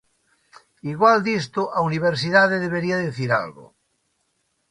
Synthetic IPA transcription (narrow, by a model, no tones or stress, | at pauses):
iɣwald̪ist̪oʔauniβ̞eɾs̬iðaðeðeβ̞eɾiaðeθiɾa̰lɣo̰